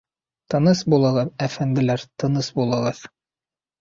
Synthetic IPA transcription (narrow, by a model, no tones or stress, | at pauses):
t̪ɤ̆nɤsbulˠɤ̆ʁɤðæfænd̪ɘ̆læɾt̪ɤ̆nɤsbulˠɤ̆ʁɑð